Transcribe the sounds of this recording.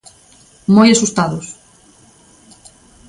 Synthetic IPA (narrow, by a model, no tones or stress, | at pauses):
mojasust̪aðʊs